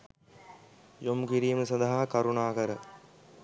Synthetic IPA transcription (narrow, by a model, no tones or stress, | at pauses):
jomkiɾiːməsɐd̪aɦaːkaɾunaːkəɾə